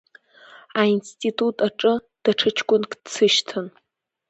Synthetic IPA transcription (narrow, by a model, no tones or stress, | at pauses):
ainstʼitʼutʼaʈ͡ʂʼɨ | d̥aʈ͡ʂʰɨt͡ʃʰkʷʼʊnkʼdt͡sʰɨʃtʰɨn